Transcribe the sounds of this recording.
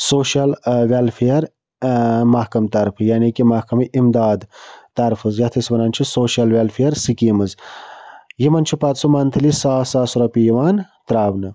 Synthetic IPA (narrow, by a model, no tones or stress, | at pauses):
soːʃalʋalfijɐɾ | mɐhkɐmt̪ɐɾfʰɨjaːnikimɐhkɐmiʔimd̪aːd̪t̪ɐɾfɨzjɐt̪ʰɐsʋɐnaːnt͡ʃʰisoːʃalʋʲalfiɐɾsikiːmɐz | jimɐnt͡ʃʰipɐt̪sumant̪ʰɐlisaːsaːsuɾɐpijiʋaːnt̪ɾaːbnɨ